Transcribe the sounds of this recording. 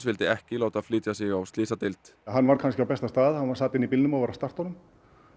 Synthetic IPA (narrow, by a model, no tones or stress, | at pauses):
svɪlt̪ɪɛhcɪlowt̪aðfliːt̪jasɪɣawst̪lɪːsat̪ɪlt̪ɦanːvaɾ̥kʰanscɪawpɛst̪ast̪aːðhanvaɾ̥saːt̪ɪɪnipɪlnʏmavaɾast̪ar̥t̪ɔnʏm